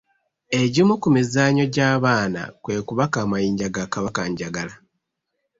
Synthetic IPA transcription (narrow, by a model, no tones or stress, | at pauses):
e̞ɟimukumizaːɲo̞ɟaːβaːna̰kwe̞ːkuβakaːmajiːɲɟaɡakaβakaɲɟaɡala